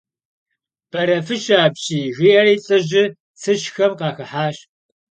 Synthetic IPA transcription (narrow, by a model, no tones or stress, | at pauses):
b̥ɐɾɐfɨʃaːbɕʼiːɣiːʔɐɾiːɬʼɨʑɪ | t͡sʰɨɕxɐmqɑːxɨħaːɕ